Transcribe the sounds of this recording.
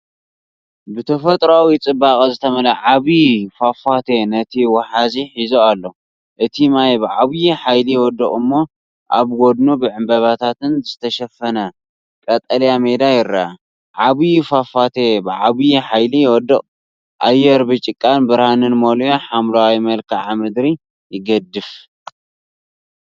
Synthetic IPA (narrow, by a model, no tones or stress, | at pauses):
bɨt̪ʰɐfɐt̪ʼɾoawit͡sʼɨbakʼɐzɨt̪ʰɐmɐlɐʕaβifafat̪ʰenɐt̪ʰiwɐħaziħizoalːo | ʔɨt̪ʰimajbɨʕaβjiħajlijɛwɔd̪ːɐχʼɨmːo̞ | ʔaβɡod̪nubɨʕɨmbɐβat̪ʰat̪ɨnzɨt̪ʰɐʃɐfɐnɐ | kʼɐt̪ʼɐljame̞d̪ajɪɾːaa | ʕaβijfafat̪ʰebɨʕaβijiħajlijwɔd̪ːɨχʼ | ʔajːɛɾbɨt͡ʃʼɪkʼːanbɨɾhanɨnmoloħamlawimɐlkʰɨʕamɾɨd̪ɾi | jɪɡɐd̪ːɨf